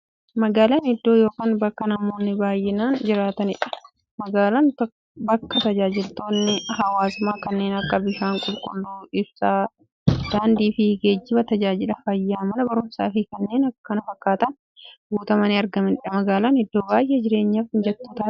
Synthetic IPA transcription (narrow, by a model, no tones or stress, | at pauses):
mɐɡaːlaːnɛd̪ːo̞ːjo̞ːkaːnbɐkːɐnɐmo̞ːnːɪbaːjːɛnaːnd͡ʒɪɾaːt̪ɐnɪᶑɐ̥ | mɐɡaːlɐn | bɐkːɐt̪ɐd͡ʒaːd͡ʒɪlt̪o̞ːnːɪhɐwaːsʊmaːkɐnːeːnɐkːɐbɪʃaːŋkʼʊlkʼʊlːuːɪbsaː | d̪̥aːnd̪iːfɪɡeːd͡ʒːɪbɐt̪ɐd͡ʒaːd͡ʒɪlɐfɐjːaːmɐlɐbɐɾʊmsa̰ːfɪkɐnːe̞ːnɐkkːɐnɐbɐkːaːt̪ɐn | ɡuːt̪ɐmɐnɪɐɾɡɐmɪnɪᶑɐmɐɡaːlaːnɛd̪ːoːbaːjʔeːd͡ʒɪɾe̞ːɲːaːfɪnd͡ʒɛt̪ːoːt̪aː